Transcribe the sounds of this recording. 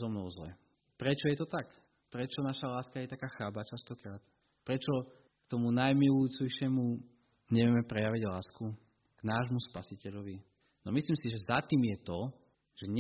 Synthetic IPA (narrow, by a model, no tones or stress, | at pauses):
zɔmnɔʊzlɛ̰ | pɾɛt͡ʃɔjɛt̪ɔt̪ak | pɾɛt͡ʃɔnaʃalaːskajɛt̪akaːxaːbat͡ʃast̪ɔkɾaːt̪ | pɾɛt͡ʃɔ | kt̪ɔmunajmiluuːt͡sɛjʃɪɛmu | ɲɛʋɪɛmɛpɾɛjaʋiɟlaːsku | ɡ̥naːʒmuspasicɛʎɔʋi | nɔmisliːmsiʒɛzat̪iːmjɛt̪ɔ | ʒ̥ɛɲ